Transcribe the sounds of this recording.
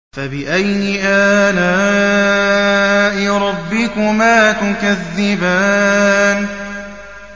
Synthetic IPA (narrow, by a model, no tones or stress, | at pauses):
fabɪʔajnɪʔaːnaː | ʔɪɾˤɑbːɪkʊmaːt̪ʊkaðːɪbaːn